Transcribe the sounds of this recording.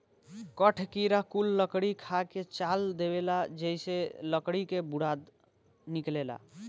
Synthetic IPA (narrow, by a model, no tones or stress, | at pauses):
kəʈʰkiɾakulːəkɽikʰaket͡ʃald̪eβelad͡ʒejseləkɽikebuɽad̪ | niklela̰